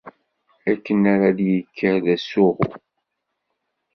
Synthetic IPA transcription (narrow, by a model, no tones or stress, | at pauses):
ækːənaɾaðjəkʰːəɾðæsʊʁʊ̰